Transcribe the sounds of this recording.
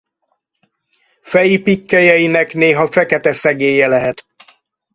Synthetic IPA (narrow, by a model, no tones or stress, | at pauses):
fɛjipikːɛjɛjinɛkneːɦɒfɛkɛt̪ɛsɛɡeːjɛlɛɦɛt̪